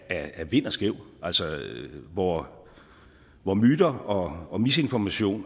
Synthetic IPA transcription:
ææʋe̝n̰ɐsɡ̥eʊ̰æl̰sɒʋɒ | ʋɒmyːd̥ɐɒ̽ɒ̽mise̝nfɒmæɕo̝̰ːn

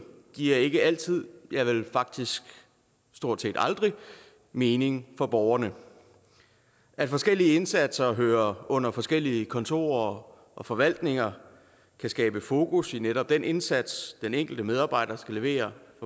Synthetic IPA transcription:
ɡ̥iɐ̰e̝ɡ̥əæl̰t͡sʰið̞̰ˠjɑ̈ɪʋe̝lfɑ̈ɡ̥̚d̥isɡ̥ | sd̥o̝ɐ̰d̥se̝̰ːd̥ɑ̈ld̥ʁi | me̝ːne̝ŋfɒ̽b̥ɒʊɐnə | ʔæd̥fɒ̽sɡ̥el̰iəe̝nsæd̥sɐɦøːɐɔ̽n̰ɐfɒ̽sɡ̥el̰iəkʰɒ̽nt͡sʰo̝̰ːɐ | ʔɒ̽fɒ̽ʋæl̰d̥ne̝ŋɐ | kʰæsɡ̥ɛːb̥əfo̝ːkusineɾ̥ɒ̽b̥̚d̥enʔe̝nsæd̥sd̥eneŋ̰ɡ̥l̩d̥əmeð̞ˠɑ̈ːb̥ɑ̈ɪ̰d̥ɐsɡ̥æle̝ʋe̝̰ːɐfɒ

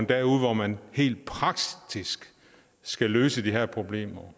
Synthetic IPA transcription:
nd̥æuð̩ˠʋɒmænhe̝̰ːld̥̚pʰʁɑ̈ɡ̥̚d̥isɡ̥ | sɡ̥æløːsəd̥iɦæɐ̰pʰʁo̝b̥le̝̰ːmɐ

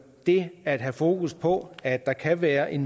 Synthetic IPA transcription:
d̥e̝æd̥ɦæfo̝ːkuspʰɒ̽æd̥ːɑ̈kʰæʋæːɐʔe̝n

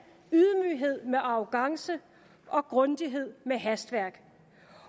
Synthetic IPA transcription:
yðˠmyːɦe̝ð̞̰ˠmeʔɑ̈ʊɡ̥ɑ̈ŋsə | ʔɒ̽ɡ̥ʁɔ̽nd̥iɦe̝ð̞̰ˠmeɦæsd̥ʋæɐ̰ɡ̥

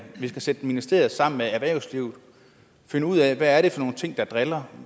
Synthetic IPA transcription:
ʋisɡ̥æsed̥ə̥eminesd̥e̝ɐ̰ð̩ˠsɑ̈m̰n̩meæʋæɐʊsliʊð̩ˠ | fe̝nəuð̰ˠɛʋæːɐɾ̥e̝fɒ̽no̝ːn̩t͡sʰe̝ŋ̰d̥ɑ̈d̥ʁelɐ

